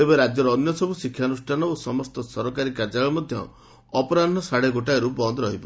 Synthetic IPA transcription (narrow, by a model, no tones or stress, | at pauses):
ebɔɾad͡ʒjɔɾɔːnjɔsɔbusikʰːjanusʈʰanɔosɔmɔst̪ɔsɔɾɔkaɾikaɾd͡ʒaɭɔɭɔmɔd̪ʱjɔ̰ | ɔpɔɾanɔsaɽeɡoʈaɾubɔnd̪ɔɾɔɦibɔ